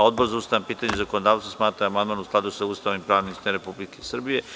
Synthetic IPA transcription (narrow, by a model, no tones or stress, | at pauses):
od̪̚boɾzaust̪ajampiːt̪aɲezakonod̪aːʋt̪asmaːt̪ɾaamand̪maːnusklˠad̪usaust̪aːʋnimpɾaːʋnist̪eɾe̞publikesr̩bije̞